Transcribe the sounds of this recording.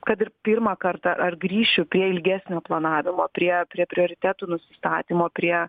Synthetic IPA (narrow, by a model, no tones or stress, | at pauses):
kɐt̪ɪrpʲiɾmɑːkɐrt̪ɑɐrɡɾʲiːʃʲʊpʲɾʲiɛɪlʲɡʲæːsʲnʲoːplˠɐnɑːʋʲɪmoːpʲɾʲiɛpʲɾʲiɛpʲɾʲɪoːɾʲɪt̪ʲæːt̪uːnʊsʲɪst̪ɑːt̪ʲiːmoːpʲɾʲiɛ